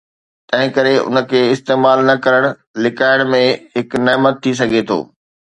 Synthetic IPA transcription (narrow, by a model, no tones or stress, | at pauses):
t̪ɐ̃ɦɪ̃kɐɾeʊ̰nə̆kʰeːɪst̪eːmaːlnɐkɐɾəɽ̃ | lɪkaːɪɽ̃mẽɦɪkneːmət̪ʰːis̬ɐɡʱet̪ʰo̰ː